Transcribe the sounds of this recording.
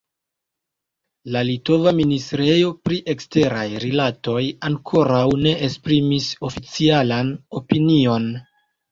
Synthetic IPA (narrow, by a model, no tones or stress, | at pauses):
lalito̞vaministɾe̞jo̞pɾiʔe̞kste̞ɾajɾilato̞jaŋkʰo̞ɾawne̞ʔespɾimiso̞fit͡sialano̞pinio̞n